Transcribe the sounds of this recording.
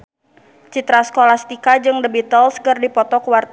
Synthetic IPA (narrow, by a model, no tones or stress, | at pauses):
t͡ʃit̪ɾaskolast̪ikad͡ʒɨŋdəbit̪əlskɨrdipɔt̪ɔkuwart̪